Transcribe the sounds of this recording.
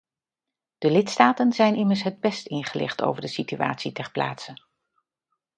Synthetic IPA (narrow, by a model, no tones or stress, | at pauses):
d̥əlɪtstaːtənzɛjnɪməɹsɦəd̚bɛstɪnχəlɪ̰χto̰wvəɹdəsitya̰ːtsitɛɹpla̰ːtsən